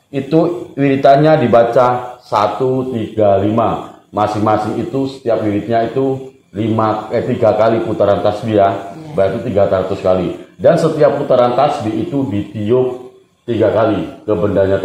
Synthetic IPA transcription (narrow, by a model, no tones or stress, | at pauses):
it̪uwiɾit̪aɲadibat͡ʃasat̪ut̪iɡalimamasɪŋmasɪŋit̪usə̥t̪iap̚wiɾɪt̪̚ɲait̪u | limaət̪iɡakaliput̪aɾant̪asbijabak̪it̪iɡak̪əɾat̪uskalidansət̪iap̚put̪aɾant̪asbiit̪udit̪iʊk̚ | t̪iɡakalikəbəndaɲa